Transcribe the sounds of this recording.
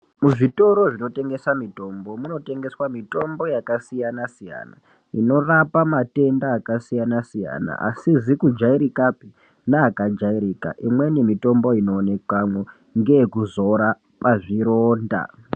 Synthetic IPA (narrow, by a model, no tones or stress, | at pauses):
muʐito̞ɾo̞ʐino̞te̞ŋɡe̞samito̞mbo̞muno̞te̞ŋɡe̞swamito̞mbo̞jakasijanasija̰na̰ | ino̞rapamate̞ndaːkasijanasija̰na̰ʔa̰sizikud͡ʒaiɾikapi | naːkad͡ʒaiɾika̰ʔimwe̞nemito̞mbo̞ino̞ːnekwamwe | ŋɡeekuzo̞ɾa | paʐiɾoːnda̰